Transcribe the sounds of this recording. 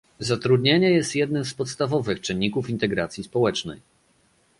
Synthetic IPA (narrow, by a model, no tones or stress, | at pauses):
zat̪ɾud̪ɲeɲɛjɛst̪jɛd̪nɘmspɔt̪st̪avɔvɘxt͡ʂɘɲʲːikufint̪ɛɡɾat̪sʲjispɔwɛt͡ʂnɛ̰j